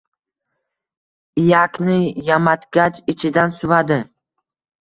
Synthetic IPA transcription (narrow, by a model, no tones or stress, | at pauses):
ijakʲnɪjamat̪kʲat͡ʃɪt͡ʃʰɪd̪ansʊvad̪ɪ